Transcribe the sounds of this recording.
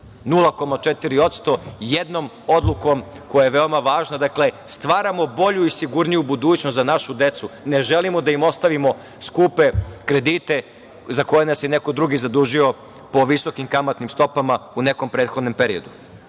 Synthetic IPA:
nulˠako̞mat͡ʃet̪iɾio̞t̪st̪o̞jed̪no̞m | o̞d̪lˠuko̞m | ko̞jajeʋe̞o̞maʋaːʒnad̪akle̞st̪ʋaːɾamo̞bo̞ʎuisiɡuɾnijubud̪uːt͡ɕnost̪zanaʃud̪e̞t̪sune̞ʒe̞limo̞d̪aimo̞st̪aʋimo̞ | skuːpe̞kɾe̞d̪iːt̪e̞ | zako̞jenasjene̞ko̞d̪ɾuɡizad̪uːʒio̞ | po̞ʋiso̞kimkamat̪nimst̪o̞pamaune̞ko̞mpɾeːt̪xo̞d̪nempe̞ɾio̞d̪u

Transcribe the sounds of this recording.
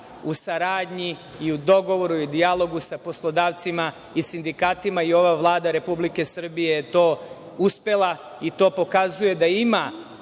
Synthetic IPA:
usaɾaːd̪ɲiː | ud̪o̞ɡo̞ʋo̞ɾuid̪ijalˠo̞ɡusapo̞slˠo̞d̪aːʋt̪sima | isind̪ikaːt̪imaio̞ʋaʋlˠaːd̪aɾe̞publike̞sr̩bije̞jet̪o̞ː | uspe̞lˠa | it̪o̞ːpo̞kazuje̞d̪aima

